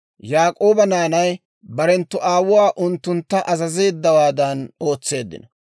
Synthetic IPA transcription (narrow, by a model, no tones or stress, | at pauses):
jaːkʼo̞ːbɐnaːnɐj | bɐɾɛnt̪ːʊʔaːwʊwaːʔʊnt̪ːʊnt̪ːɐʔɐzɐze̞ːd̪ːɐwaːd̪ɐno̞ːt͡sːe̞ːd̪ːɪ̰nɔ